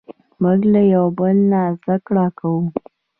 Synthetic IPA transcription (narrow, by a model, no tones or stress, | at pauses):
mʊɡlajawbəlnazd̪akɽɑkawu